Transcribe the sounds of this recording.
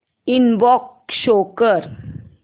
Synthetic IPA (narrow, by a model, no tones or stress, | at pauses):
inbɔkʃoːkəɾ